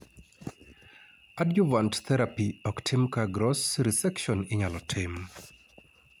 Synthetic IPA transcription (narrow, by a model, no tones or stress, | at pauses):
adjuvantt̪ɛɾapiɔktʰɪmkaɡɾɔsɾisɛkʃɔnɪɲalɔtʰɪm